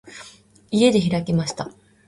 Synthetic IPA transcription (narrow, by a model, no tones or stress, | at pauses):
ie̞d̪e̞çiɾakʲimaɕi̥t̪a